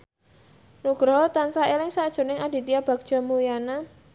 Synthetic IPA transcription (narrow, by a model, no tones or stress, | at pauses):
nuɡ̥ɾɔt̪ansaelɪŋsad̥ʒ̥ṳnɪŋad̥i̤t̪iab̥a̤k̚d̥ʒ̥a̤mujana